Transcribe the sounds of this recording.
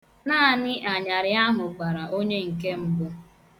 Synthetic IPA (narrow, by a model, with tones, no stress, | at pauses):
naː˦a˨nɪ˦ʔa˨ɲa˨ɾɪ˨a˦ɦʊ˨ɡ͡ba˨ɾa˨ʔo˦ɲe˦ŋ̩˨ke˦m̩˦bʊ˦